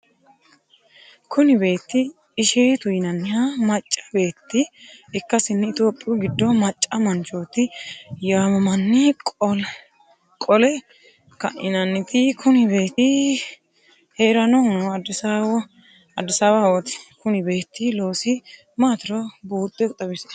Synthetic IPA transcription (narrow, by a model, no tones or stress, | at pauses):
kʰʊnɪbe̞ːt̪ːɪ | ɪʃeːt̪ʊjɪnɐnːɪhamɐt͡ʃʼːɐ̥be̞ːt̪ːɪɪkːɐsɪnːɪɪt̪o̞ːpʼɪʊɡɪd̪ːɔmɐt͡ʃʼːɐmɐnt͡ʃoːt̪ɪjaːmɐmɐnːɪkʼɔl | kʼɔlɛ | kɐ̰ʔɪnɐnːɪt̪ɪkʰʊnɪbe̞ːt̪ɪ | heːɾɐnɔndɪsawɔ | ɐd̪ːɪsaːwawɔt̪ɪ̥kʊnɪbe̞ːt̪ːɪlo̞ːsɪ | maːt̪ɪɾɔbuːt̪ʼːɛʊt̪ʼːɐbɪs